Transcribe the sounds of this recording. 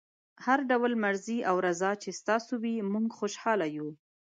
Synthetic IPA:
haɾɖawlmaɾziawɾazɑt͡ʃest̪ɑsowimuŋɡxoʃhɑlaju

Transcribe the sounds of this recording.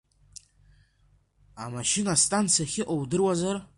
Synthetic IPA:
amaʃɪnastʼant͡sʰijaχʲɪʔʼowdɨrwazar

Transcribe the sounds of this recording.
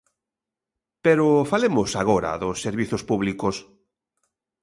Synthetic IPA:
peɾʊfalemʊsaɣ̞oɾa̰ðʊsːeɾβiθʊspuβlikʊs

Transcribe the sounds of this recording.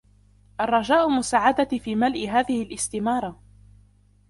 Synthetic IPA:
ʔɑrˤːɑd͡ʒaːʔʊmʊsaːʕad̪afiːmalʔɪɦaːðɪhɪlʔɪst̪ɪmɑːɾˤɑ

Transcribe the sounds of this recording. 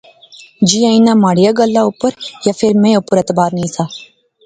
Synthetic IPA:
d͡ʒijãːinãːmaːɽɪjaːɡəlːaːʊpəɾjaːfʰɪɾmẽːʊpəɾet̪əbaːɾnĩːsaː

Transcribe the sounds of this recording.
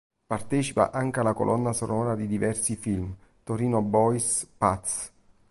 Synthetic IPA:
part̪ɛːt͡ʃi̥pa̰ʔaŋkealako̰lʔɔnːasonɔːɾad̪id̪ivɛrsifilmt̪oɾiːnobɔjspat̪s

